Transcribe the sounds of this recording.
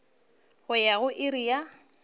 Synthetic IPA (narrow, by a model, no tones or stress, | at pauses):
ɣʊjaɣʊʔɪɾija